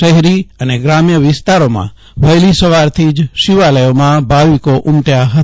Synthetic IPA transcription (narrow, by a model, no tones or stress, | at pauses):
əɦɛɾiəneɡɾamjəʋɪst̪aɾomã̰ | ʋəjlisəʋaɾt̪ʰid͡ʒʃiʋaləjomãbʱaʋikoʔumʈjaɦə